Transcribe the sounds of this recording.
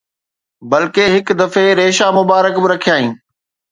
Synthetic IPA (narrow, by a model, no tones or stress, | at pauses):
bɐlkeɦɪkd̪ɐfeɾeːʃamʊbaːɾəkbɪɾɐkʰijaːɦĩː